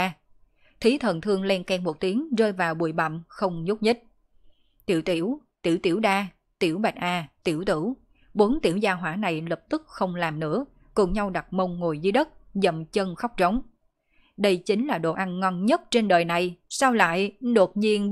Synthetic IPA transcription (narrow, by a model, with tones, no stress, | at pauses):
t̪ʰi˨˦t̪ʰə˨˩nt̪ʰɨ˧əŋlɛ˧nkɛ˧ŋmo˨˩t̚t̪i˨˦əŋzəː˧jvaː˨˩wɓu˨˩əjɓa̰˧˨mxə˧wŋ͡mɲu˦˥t̚ɲi˦˥t̚ | t̪ḭ˧˩əwt̪i˧˩əwt̪i˧˩əwt̪i˧˩əwɗaː˧ | t̪i˧˩əwɓa˨˩jt̚ʔaː˧t̪i˧˩əwt̪ɨ̰˧˩w | ɓo˨˦nt̪i˧˩əwzaː˧ɦwaː˧˥na˨˩jlə˨˩p̚t̪ɨ˦˥k̚xə˧wŋ͡mlaː˨˩mnɨ̰˧˥ə | kʊ˨˩ŋ͡mɲa˧wɗa˨˩t̚mə˧wŋ͡mŋo˨˩jzɨ˨˦ɗə˦˥t̚zə̰˧˨mt͡ɕə˧nxɔ˦˥k͡p̚t͡ɕə˨˦wŋ͡m | ɗə˧jt͡ɕï˨˦ŋlaː˨˩ɗo̰˧˨˩ʔa˧nŋɔ˧nɲə˦˥t̚t͡ɕe˧nɗəː˨˩jna˨˩jsaː˧wla̰ː˧˨jɗo˨˩t̚ɲi˧ən